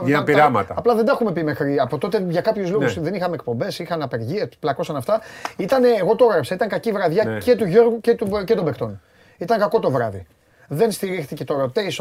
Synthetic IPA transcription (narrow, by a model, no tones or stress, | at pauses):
ɐpiɾɐmɐ̰t̪ɐ̰ɐplɐðend̪ɐxume̞pimexɾiɐpo̞t̪o̞t̪eʝɐkɐpçuzloɣusðe̞nixɐmek̚po̞mbe̞sixɐnɐpe̞ɾʝiɐplɐkosɐnɐft̪ɐit̪ɐneːɣo̞t̪ooɣɾɐpsɐit̪ɐŋkɐcivɾɐðʝɐce̞t̪uʝo̞ɾɣucet̪ucet̪o̞mbekt̪o̞n | it̪ɐŋkɐko̞t̪o̞vɾɐðḭ | ðe̞nst̪iɾixθice̞t̪o̞ɾɐt̪eis